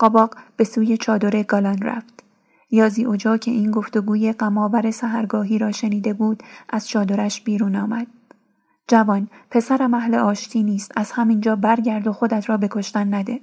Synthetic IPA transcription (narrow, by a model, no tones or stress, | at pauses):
ɢ̥ɒbɒːɡb̥e̞suːje̞t͡ʃʰɒːd̪o̞ɾe̞ɡɒlɒnræ̰ft̪ | jɒːziːʔod͡ʒɒːcʰe̞̰ʔiːnɡo̞ft̪o̞ɡuːje̞ɢæmɒːbæɾe̞sæɦæɾɡɒːɦiːɾɒːʃe̞niːd̪e̞buːd̪̥ʔæz̥t͡ʃʰɒːd̪o̞ɾæʃbiːɾuːnɒːmæd̪̥̚ | d͡ʒævɒːnpʰe̞sæɾæmæhleʔɒːʃt̪ʰiːniːst̪æz̥hæmind͡ʒɒːbæɾɟæɾd̪o̞xo̞d̪æt̪ʰɾɒːbe̞kʰo̞ʃt̪ænːæd̪e̞